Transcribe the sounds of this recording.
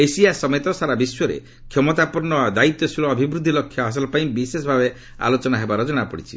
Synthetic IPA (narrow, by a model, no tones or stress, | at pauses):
esiasɔmet̪ɔsaɾabiswɔɾḛ | kʰjɔmɔt̪apuɾɳɔd̪ait̪jɔsilɔːbʱibɾud̪ʱːilɔkʰːjɔɦas̬ɔlɔpaĩbisesɔbʱabe | a̰lot͡ʃɔnaɦebaɾɔd͡ʒɔɽ̃apɔɽit͡ʃʰi̥